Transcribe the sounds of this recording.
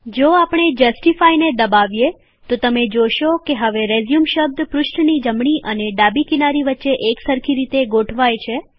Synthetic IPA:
d͡ʒoapəɳ̃ed͡ʒəsʈifained̪əbaʋje | t̪ot̪əmed͡ʒoʃokeɦəʋeɾezjumʃəb̚d̪pɾʊʃʈnid͡ʒəmɳ̃iʔəneɖabikinaɾiʋətːʃeʔeksəɾkʰiɾit̪eɡoʈʰʋajt͡ʃʰe

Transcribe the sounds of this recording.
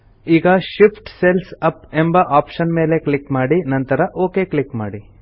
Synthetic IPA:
iːɡɐʃipʰʈselsɐpembɐʔaːpʃɐnme̞ːle̞klikmaːɽinɐnt̪ɐɾɐʔoːke̞ːkɭikmaːɽi

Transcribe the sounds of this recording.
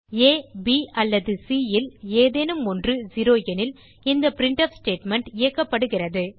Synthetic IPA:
eːbiːʔɐlːɐðɯsiːjɪleːðeːnɯmɔndrɯd͡ʒiɾoːjɛnɪl | ɪnd̪ɐpɪɾɪɳʈɐfsʈeːʈmɛɳʈɪjɐkːɐpːɐɽɯɣɪrɐðɯ

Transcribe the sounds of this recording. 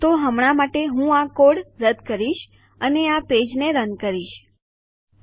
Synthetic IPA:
t̪oɦəmɳamaʈeɦũakoɽɾəd̪kəɾiʃ | əneaped͡ʒneɾənkəɾiʃ

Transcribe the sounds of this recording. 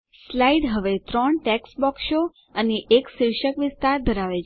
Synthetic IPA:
slaiɖɦəʋet̪ɾɔɳʈɛksbɔksʃo | əneʔeksiɾʃəkʋɪst̪aɾd̪ʱəɾaʋet͡ʃ

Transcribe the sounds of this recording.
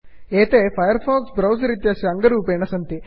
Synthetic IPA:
eːt̪epʰɐjɐɾpʰɔːksbɾɐwsɐɾit̪ijɐsiɐŋɡɐɾuːpeːɳɐsɐnt̪i

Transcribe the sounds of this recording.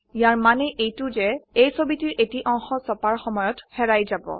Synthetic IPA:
jaɹmanɛʔejtʊzɛejsobitiɹetiʔɔŋxɔsɔpaɹxɔmɔjɔthɛɹajzabɔ̰

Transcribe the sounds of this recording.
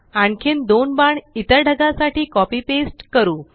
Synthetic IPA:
aɳkʰiːnd̪onbaɳit̪əɾɖʱəɡasaʈiːkɔpiːpesʈkəɾuː

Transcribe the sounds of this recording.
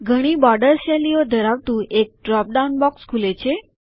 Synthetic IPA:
ɡʱəɽ̃iːbɔɖəɾɕɛlijod̪ʱəɾaʋt̪ũʔek̚ɖɾɔp̚ɖaunbɔkskʰulet͡ɕʰe

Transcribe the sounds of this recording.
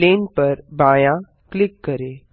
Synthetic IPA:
leːnpəɾbãːjã | klɪkːəɾe

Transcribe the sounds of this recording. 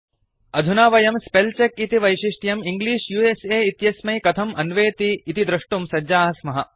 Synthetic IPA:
ɐd̪ʱunaːʋɐjɐmspelt͡ʃekit̪iʋɐjʃiʂʈjɐmiŋɡliːʂjueseːit̪jɐsmɐjkɐt̪ʰɐmɐnʋeːt̪iːt̪id̪ɾɐʂʈumsɐd͡ʒaːɦɐsmɐɦɐ

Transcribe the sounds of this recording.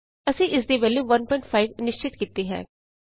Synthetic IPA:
əsĩːʔɪs̬d̪eːbɛːleːʋənpɔɪɳʈpʰaːiʋnɪʃt͡ʃɪt̪kiːt̪iːɦɛ̰̃ː

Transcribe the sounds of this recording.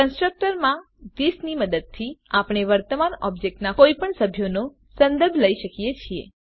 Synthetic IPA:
kə̃nsʈɾək̚ʈəɾmã | d̪isniməd̪əd̪̚t̪ʰiapɽ̃eʋəɾt̪əmanɔ̰bd͡ʒek̚ʈnakoipəɳsəbʱjono | sənd̪əɾbʱləiʃəkijet͡ʃʰiḛ

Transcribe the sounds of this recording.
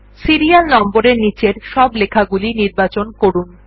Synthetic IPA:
siɾialnɔmboɾeɾnit͡ɕeɾʃɔblekʰaɡuliniɾbat͡ɕonkoɾun

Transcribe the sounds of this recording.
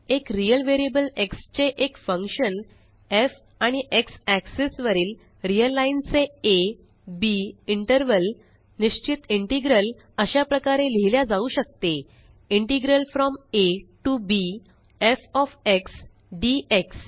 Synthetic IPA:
ekɾijəlʋeɾiebəlekst͡ɕeʔekfə̃ŋkɕən | ef | aɽ̃iʔeksæksesʋəɾiːl | ɾiəlːaint͡see | biiɳʈəɾʋəl | niɕt͡ɕit̪iɳʈiɡɾəl | əɕjapɾəkaɾeleɦljad͡zauɕək̚t̪e | iɳʈiɡɾəlfɾɔmeʈubi | efɔfeks | ɖieks

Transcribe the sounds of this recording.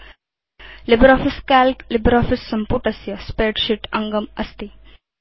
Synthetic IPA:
libɾɔːfiskæːlklibɾɔːfisːɐmpuʈɐsjɐspeːʈʃiʈɐŋɡəmɐst̪i

